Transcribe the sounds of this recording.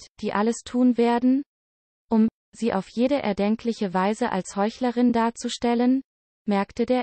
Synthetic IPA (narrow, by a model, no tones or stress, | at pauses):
d̥iːʔaləstʰuːnveːɐdn̩ | ʔʊm | z̥iːʔaʊfjeːɾəʔɛ̰ɐdɛŋkʰlɪçəvaɪzəʔa̰lshɔʏçləʁɪndaːɐt͡suʃtɛlən | mɛɐktədeːɐ